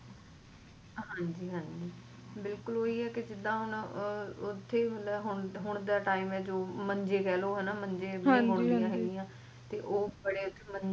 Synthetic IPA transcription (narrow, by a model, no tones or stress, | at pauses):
ɦãːɲd͡ʒiːɦãːɲd͡ʒiː | bɪlkʊloːiːɛːkɪd͡ʒɪd̪ãːɦʊn | ʊt̪ʰːeːmət̪ləbɦʊɳɦʊɳ̃d̪aːʈaːimɛːd͡ʒoːməɲd͡ʒeːkɛːloːɦɛːnaːmə̃ɲd͡ʒeːãɦʊɳd̪ːɦɛːɡiːãː | t̪eːʔoːbəɽeːʊt̪ʰːeːmə